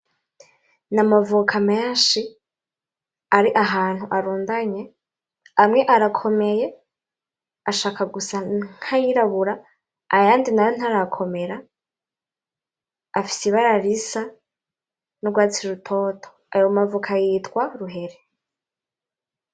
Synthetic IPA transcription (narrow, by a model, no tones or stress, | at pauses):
namavukʰameːʃi | aɾiʔaɦaːn̥huʔaɾuːndaɲe̞ | amŋe̞ʔaɾakʰo̞me̞je̞ | aʃaːkaɡusaŋ̥hajiɾaβuɾaː | jaːndinajon̥haɾakʰo̞me̞ɾa | fi̥siβaɾaɾisa | noɡwaːt͡siɾutʰo̞ːtʰo̥ | ajomavukʰajiːtkwaɾuɦe̞ɾe